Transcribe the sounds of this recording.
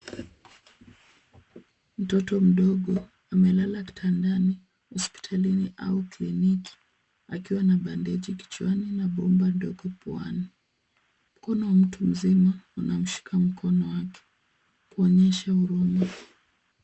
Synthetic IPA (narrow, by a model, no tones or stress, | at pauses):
m̩tɔtɔm̩ɗɔɠɔ | amɛlalaki̥tʰandani | hɔspi̥tʰaliniʔa̰ukliniki̥ | a̰kiwanaɓandɛʄiki̥t͡ʃuaninaɓɔmbandɔɠɔpwa̰ni | m̩kɔnɔwam̩tʰum̩zimaunam̩ʃi̥kʰam̩kʰɔnɔwakɛ̥ | kuɔɲɛʃauɾuma